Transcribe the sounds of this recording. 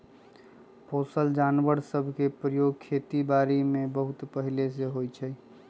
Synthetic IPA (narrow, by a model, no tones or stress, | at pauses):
posəld͡ʒanʋəɾsəbʱkepɾəjoːɡ̚kʰːet̪ibaɾimẽbəɦut̪pəɦiles̬eɦojt͡ʃʰɛ